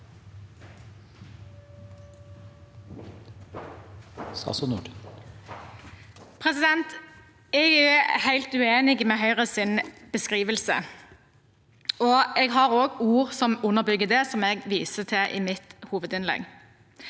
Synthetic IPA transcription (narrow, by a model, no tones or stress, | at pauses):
skɑ̰sɔnṵːɖ | pʰʁɛsɪd̪ɛnt̪ | ɛɡæhæɪlt̪ʉeːnɪɡmɛɦœʏʁəsɪnb̥əskʁiːʋəlsə̰ | ɔɛɡɦɑʁoːɡuːʁsɔmʊnːəʁbʏɡːəd̪ɛsɔmɛɡʋiːsət̪ʰɛʔiːmɪt̪huːʋəd̪ɪnlɛ̰ɡ